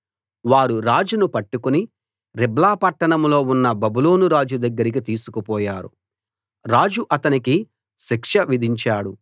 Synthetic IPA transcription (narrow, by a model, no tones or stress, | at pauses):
ʋaːɾuɾaːd͡ʒunupɐʈːukuni | ɾiblaːpɐʈːɐɳɐmlo̞ːunːɐbɐbulo̞ːnuɾaːd͡ʒud̪ɐɡːɐɾik̬it̪iːsukupɔːjaːɾṵ | ɾaːd͡ʒuʔɐt̪ɐniki | ʃikʂɐʋid̪ʱiɲt͡ʃaːɽu